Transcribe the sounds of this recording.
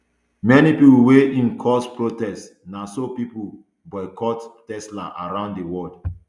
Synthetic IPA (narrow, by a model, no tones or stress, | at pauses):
mɛnipipuweʔĩnkʰɔspɹotɛst | nasopipu | bɔɪkɔttɛsla̰ʔaɹãʊ̃nddewɔd